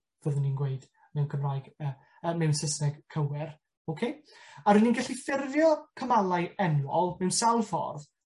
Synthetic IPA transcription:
v̥əðəninɡweɨd̥ | mɛwnkʰəmraːjɡ̥ə | əmɛwnsəsnɛɡ̥kʰəwɛr | owkʰejaɾɨninɡaɬifɪrvjɔkʰəmalˠajɛnwɔlˠmɛwnsawlˠfɔ̰rð

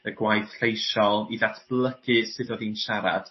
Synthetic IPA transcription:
əɡwajθɬejʃɔlˠiðatʰb̥lˠəɡ̥ɨsɨdɔðinʃaɾa̰d̥

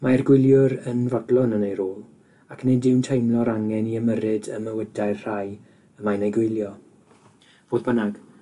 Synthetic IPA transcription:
maɛrɡwɪlˠjʊɾənvɔdlˠɔnənejɾoːlˠ | akʰnɪdɪwntʰejmlˠɔɾaŋɛniəməɾɨdəməwədajrr̥aj | əmajnejɡwɪjlˠjɔ | v̥oːðbənaɡ̥

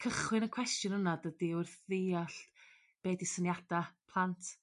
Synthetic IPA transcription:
kʰəχwɨnənkʰwɛstjʊnənadədiʊrθðiːaɬ | b̥eːdisənjad̥apʰlˠantʰ

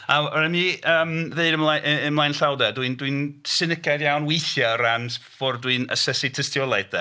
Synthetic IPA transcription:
aɔɾɛmiəːmðeɨdəmlajʔəmlˠajnɬawdɛdwiɨndwɨnsɪnəkʰadjawnwejθjɔransv̥ɔrdwinə̰sɛsitʰəstjɔlˠajdðɛ

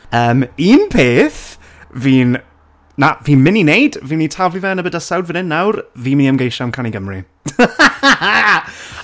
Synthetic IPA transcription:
əːmiːnpʰeːθ | viːn | naviːnmɪninejd̥viːnitʰavlivɛənəbədəsawdvənɪnːawrviːmɪniəmɡejʃamkʰaniɡəmrḭ | a

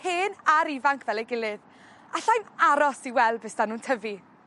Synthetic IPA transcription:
heːnaɾivaŋkʰvɛlˠɛjɡɪlˠɨð | aɬajmaɾɔsiwɛlˠbɪsd̥anuːntʰəvi

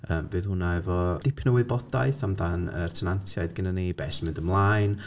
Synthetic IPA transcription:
əːmvɨːðhʊnaɛvɔd̥ɪpʰnəwɪðbɔdajθamdanə̰rtʰənantʰjaɨdɡənanibɛsmɪndəmlˠajn

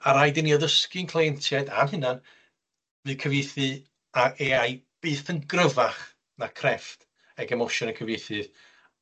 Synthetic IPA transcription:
aɾajdɪniɔðəskɨnkʰlˠajɛntʰjajda̰mɦɨnan | vɨːkʰəvejθɨ | aʔeaj | b̥ɨːθənɡrəvaχ | nakʰrɛft | ɛɡɛmɔʃɔnəkʰəvejθɨð

